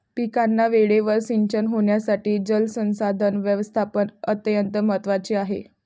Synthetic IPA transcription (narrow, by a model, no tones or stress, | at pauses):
pikanːaʋeɭeʋəɾsiɲt͡ɕənɦoɳjasaʈiːd͡ʑəlsə̃w̃sad̪ʱənʋjəʋəst̪ʰapənət̪jənt̪əmət̪ʋat͡ɕiːaɦḛ